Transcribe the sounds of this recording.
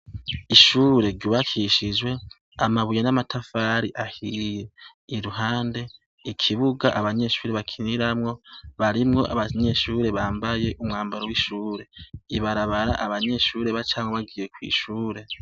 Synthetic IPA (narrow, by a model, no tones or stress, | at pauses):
iʃuːɾe̞ɾɟuβakʰiʃid͡ʒwe̞ | amaβujenamatʰafaːɾiʔahije̞ | iɾuɦaːnde̞ | ikʰiβuɡaʔaβaɲe̞ːʃuːɾe̞βakʰiniɾamŋo̞βaɾimŋo̞ʔa̰βaɲe̞ʃuːɾe̞βaːmbaje̞ʔumŋaːmbaɾowiʃuːɾe̞iβaɾaβaɾaʔaβaɲe̞ʃuːɾe̞βat͡ʃaːŋoβaɡiːje̞kwḭːʃuːɾe̞